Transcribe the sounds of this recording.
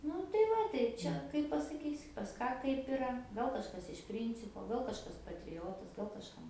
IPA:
ˈnʊ tɐɪ ˈʋɐ tɐɪ ˈt͡ʃʲɛ kɐɪp pɐsɐˈkʲiːsʲɪ pɐs ˈkɑː ˈkɐɪp ɪˈrɐ ˈɡɐlˠ kɐʃˈkɐs ɪʃ ˈpʲrʲiːnʲt͡sʲɪpoː ˈɡɐlˠ kɐʃˈkɐs pɐtʲrʲɪˈjoːtɐs ɡɐlˠ kɐʃˈkɐm

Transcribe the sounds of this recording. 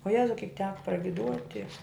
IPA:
oː ˈjæːzɐʊ ˈkʲɪk ˈtʲæːkɐ prɐɡʲɪˈduɔtʲɪ

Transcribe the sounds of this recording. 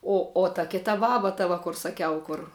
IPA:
ˈoː oː tɐ ˈkʲɪtɐ ˈbɑːbɐ tɐ ˈʋɐ kʊr sɐˈkʲɛʊ ˈkʊr

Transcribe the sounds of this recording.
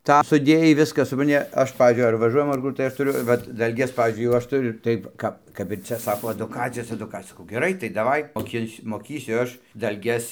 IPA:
ˈtɑː sʊˈdʲeːjɛɪ ˈʋʲɪskɐs sʊprɐnʲˈtʲɪ ˈɐʃ ˈpɑːʋʲiːzʲd͡ʒʲʊɪ ɐr ʋɐˈʒuɔjɛm ɐr ˈkʊr tɐɪ ˈɐʃ tʊˈrʲʊ ˈʋɐt dɐlʲˈɡʲɛs ˈpɑːʋʲiːzʲd͡ʒʲʊɪ jɛʊ ˈɐʃ tʊˈrʲʊ ˈtɐɪp ˈkɐp kɐp ɪr ˈt͡sʲɛ ˈsɑːkoː ɐdʊˈkɑːt͡sʲɪjoːs ɛdʊˈkɑːt͡sʲɪjoːs sɐˈkɐʊ ɡʲɛˈrɐɪ tɐɪ dɐˈʋɐɪ moːˈkʲɪnʲsʲʊ moːˈkʲiːsʲʊ ˈɐʃ dɐlʲˈɡʲɛs

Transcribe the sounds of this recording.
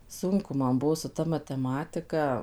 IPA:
ˈsʊŋkʊ ˈmɐn ˈbuɔ sʊ ˈtɐ mɐtʲɛˈmɑːtʲɪkɐ

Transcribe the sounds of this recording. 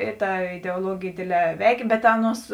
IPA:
ˈɪ ˌtɐ ɪdʲɛʊɔˈlˠuɔɡʲeːj ˈdʲeːdʲˌlʲɛː ˈʋʲɛɪkʲeː bʲɛt ˈɑːˌnuɔs

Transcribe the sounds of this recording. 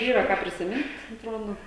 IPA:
ˈiːrɐ ˈkɑː pʲrʲɪsʲɪˈmʲɪnt ɐtˈroːdoː

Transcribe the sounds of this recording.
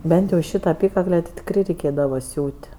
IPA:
ˈbʲɛnt jɛʊ ˈʃʲiːtɐ ɐˈpʲiːkɐklʲɛ tʲɪ tʲɪkˈrɐɪ rʲɛɪˈkʲeːdɐʋoː ˈsʲuːtʲ

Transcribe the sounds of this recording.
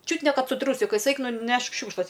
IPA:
ˈt͡ʃʲʊt nʲɛ ˈkɐt sʊ ˈtruːsʲɪkɐɪs ˈɛɪk nʊˈnʲɛʃk ˈʃʲuːkʃlˠɐs

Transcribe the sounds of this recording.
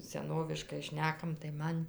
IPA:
sʲɛˈnoːʋʲɪʃkɐɪ ˈʃʲnʲæːkɐm tɐɪ ˈmɐn

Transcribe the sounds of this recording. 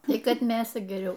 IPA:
ˈtʲiː ˈkɐt ˈmʲeːsɐ ɡʲɛˈrʲɛʊ

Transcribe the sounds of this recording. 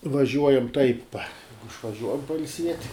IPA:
ʋɐˈʒʲuɔjɛm tɐɪp ɪʃʋɐˈʒʲuɔjɛm pɐɪlʲˈsʲiɛtʲ

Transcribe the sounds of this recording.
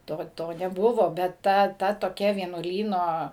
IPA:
ˈtoː ˈtoː nʲɛˈbʊʋoː bʲɛt ˈtɐ ˈtɐ toːˈkʲɛ ʋʲiɛnuɔˈlʲiːnoː

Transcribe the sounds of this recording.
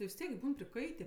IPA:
tʲɪ ʋʲɪs ˈtʲiɛk ˈbuːn pʲrʲɪˈkɐɪtʲeː

